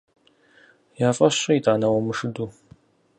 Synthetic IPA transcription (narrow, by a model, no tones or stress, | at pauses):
jaːfʼɐɕiitʰaːnɐwɐmɨʂɨduː